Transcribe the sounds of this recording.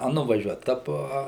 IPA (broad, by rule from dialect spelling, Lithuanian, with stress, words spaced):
ɐ nʊʋɐˈʒʲuɔt ɐ ˈpoː ɐ